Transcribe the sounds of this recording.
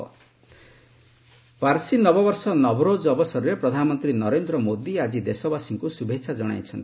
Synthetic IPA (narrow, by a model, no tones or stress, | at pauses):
paɾsinɔbɔbɔɾsɔnɔbɾod͡ʒɔbɔsɔɾɔɾepɾɔd̪ʱanɔmɔnt̪ɾinɔɾend̪ɾɔmod̪iad͡ʒid̪esɔbasiŋkusubʱet͡ʃʰad͡ʒɔɽ̃a̰jt͡ʃʰɔnt̪i